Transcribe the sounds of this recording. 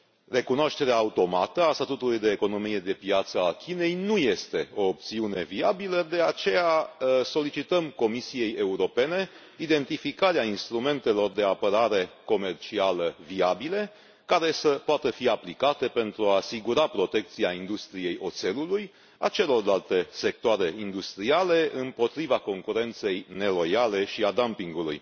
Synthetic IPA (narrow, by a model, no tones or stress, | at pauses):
re̞kunoaʃt̪e̞ɾeaːut̪o̞mat̪əast̪at̪ut̪ulujd̪e̞ːko̞no̞mije̞d̪e̞pjat̪səakʲine̞jnuje̞st̪e̞o̞ːp̚t̪siune̞viabiləd̪e̞at͡ʃe̞jaso̞lit͡ʃit̪əmko̞misije̞je̞uɾo̞pe̞ne̞ | id̪e̞nt̪ifikaɾeainst̪ɾume̞nt̪e̞lo̞rd̪e̞apəɾaɾe̞ko̞me̞rt͡ʃialəviabile̞ | kaɾe̞səpoat̪əfiaplikat̪e̞pe̞nt̪ɾuaːsiɡuɾapɾo̞t̪e̞k̚t̪siaind̪ust̪ɾije̞jo̞̰t̪se̞luluj | a̰t͡ʃe̞lo̞rlalt̪e̞se̞k̚t̪oaɾe̞ind̪ust̪ɾiale̞ʔɨmpo̞t̪ɾivako̞ŋkuɾe̞nt̪se̞jne̞lo̞jale̞ʃiad̪ampiŋɡulṵj